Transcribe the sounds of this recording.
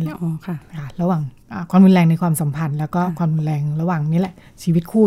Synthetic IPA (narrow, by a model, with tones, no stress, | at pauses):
lʔɔː˧kʰa˧˩kʰa˧˥˩ɾa˧waː˨˩ŋʔaː˨˩kʰwaː˧mɾu˧nlɛː˧ŋna˧jkʰwaː˧msa˩˦mpʰa˧nlɛː˦˥wkɔː˥˩kʰwaː˧mɾu˧nlɛː˧ŋɾa˧waː˨˩ŋni˦˥˨lɛ˨˩ʔt͡ɕʰiː˧wi˦˥t̪̚kʰuː˥˩